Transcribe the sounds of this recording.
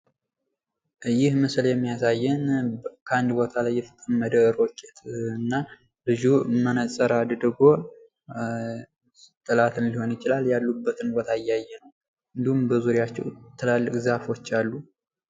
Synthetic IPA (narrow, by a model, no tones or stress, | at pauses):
jɪhməsljɛmːijasajːɛnkʰəand̪bo̞t̪ʰalajːɛt̪ʰə̥k̪ʼəmːəd̪əɾokʼːɛt̪ʰɨnːa | lɨd͡ʒumːənəsʼəɾad̪d̪ɨɡmo̞ | t̪ʼːɨlat̪ʰɨnliho̞njɪt͡ʃɪlaljalːubːət̪ʰɨnbo̞t̪ʰaɪjːajːɛnəw | ɨnd̪ihumbəzuɾjat͡ʃːɛwt̪ʰːɨlalːɨkʼzafo̞t͡ʃːalːu